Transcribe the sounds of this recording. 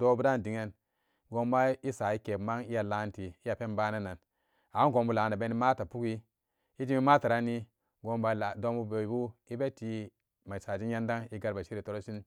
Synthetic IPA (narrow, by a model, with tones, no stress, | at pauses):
do˦bu˦da˦n˨di˨ŋe˦n | ɡo˦mba˦i˦sa˨i˦ke˨pma˦ŋi˦ja˨la˦nti˨i˦ja˨pe˦mba˦na˦na˨n | a˨˦nɡo˨mbu˦la˨na˨be˦ni˦ma˦ta˨pu˦ki˦ | i˦d͡ʒi˦mi˦ma˦ta˨ɾa˦ni˦ | ɡo˦mba˨do˦mbu˦be˨i˨bu˦i˦be˦ti˦ | ma˨i˨sa˨d͡ʒi˦ja˦nda˦ŋi˦ɡa˦ɾba˨ʃi˦ɾi˨to˦ɾo˦si˦n